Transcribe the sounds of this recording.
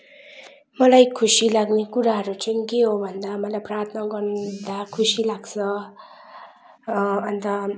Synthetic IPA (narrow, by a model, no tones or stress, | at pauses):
mʌlajkʰusilaɡnekuɾaɦʌɾut͡sʌĩŋkeɦobʱʌnd̪amʌlajprart̪ʰnʌɡʌɾd̪akʰusilaɡt͡sʰʌ | nt̪ʌ